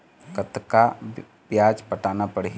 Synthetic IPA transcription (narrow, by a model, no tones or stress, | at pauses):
kət̪ka | pjaːd͡ʒpəʈaːnapəɽe